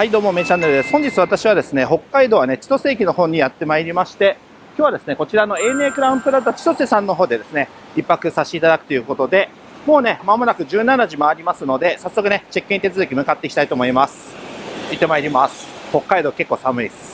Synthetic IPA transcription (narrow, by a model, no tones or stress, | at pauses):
aid̪o̞ːmo̞ːme̞t͡ɕãnːeɾɯd̪esɨ̥hõ̞ɲ̟d͡ʑit͡sɨβat̪aɕiβ̞ad̪e̞sɨne̞ɦo̞kːaid̪o̞ːβane̞t͡ɕi̥t̪o̞se̞ːkʲino̞ɦõ̞ɲ̟ːijat̪ːe̞maiɾʲimaɕi̥t̪e̞ | kʲjoːβad̪e̞sɨne̞ko̞t͡ɕiɾano̞e̞ːne̞ːkɯ̟ɾaɯ̃mpɯ̟ɾat̪at͡ɕi̥t̪o̞sesãnːo̞ɦoːd̪e̞d̪e̞sɨne̞ | ipːakɯ̟saɕt̪eit̪ad̪akɯ̟̥t̪o̞jɯ̟ːko̞t̪o̞d̪e̞ | mo̞ːne̞mamo̞nakɯ̟ʑɨːnanaʑimo̞aɾʲimasɨno̞d̪e̞sasːo̞kɯ̟ne̞t͡ɕekʲːɯ̃ɲ̟it̪e̞t͡sɨzɨkʲimɯ̟kat̪ːe̞ikʲi̥t̪ait̪o̞ːmo̞imasɨ̥it̪ːe̞maiɾʲimasɨ̥ho̞kːaid̪o̞ːke̞kːo̞ːsamɯ̟i